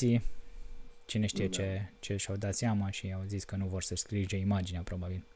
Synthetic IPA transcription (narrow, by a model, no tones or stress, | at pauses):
i | t͡ʃine̞ʃt̪ije̞t͡ʃe̞t͡ʃe̞ʃawd̪at̪seamaʃiawziskənuvo̞rsəskɾiʒeimad͡ʒineapɾo̞babil